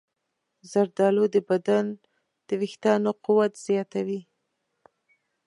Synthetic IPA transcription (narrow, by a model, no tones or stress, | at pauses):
zaɾd̪ɑlod̪əbad̪an | d̪̥əwɪxt̪ɑnoquwat̪z̥jɑt̪awi